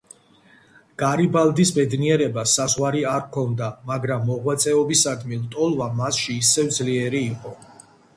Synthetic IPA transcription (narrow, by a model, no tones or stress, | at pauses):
ɡ̥aɾibalˠd̪isbɛd̪niɛɾɛbasazʁwaɾiaɾkʰɔnd̪amaɡɾamːɔʁwat̪sʼɛɔbisad̪milˠt̪ʼɔlˠvamasʃiːsɛvd̪zliɛɾiːqʼɔ